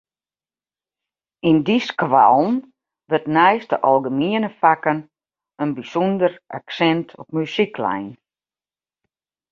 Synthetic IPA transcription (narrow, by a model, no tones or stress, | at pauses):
indiskʋa̰lˠn̩ | ʋøtnɛjstəʔɔlˠɡəmiənəfakən | ənbisundəɾʔa̰ksɛntʰɔp̚mysiklɛ̰jn